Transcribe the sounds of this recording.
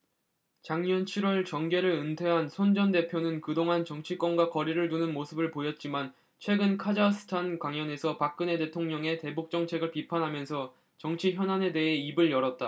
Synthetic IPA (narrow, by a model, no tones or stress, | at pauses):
t͡ɕaŋɲʌnt͡ɕʰiɾwʌɭt͡ɕʌŋɡe̞ɾɯɭɯntʰwe̞ɦansʰond͡ʑʌnde̞pʰjonɯnkɯdoŋɦant͡ɕʌŋt͡ɕʰik͈wʌnɡwakʌɾiɾɯɭnunɯnmosʰɯbɯɭpojʌt̚t͡ɕ͈iman | t͡ɕʰwe̞ɡɯnkʰad͡ʑasʰɯ̥tʰankwaŋjʌne̞sʰʌpak̚k͈ɯne̞te̞tʰoŋɲʌŋe̞te̞buk̚t͡ɕ͈ʌŋt͡ɕʰe̞ɡɯɭpipʰanɦamjʌnsʰʌ | t͡ɕʌŋt͡ɕʰiçjʌnane̞de̞ɦe̞ibɯɭjʌɾʌt̚t͈a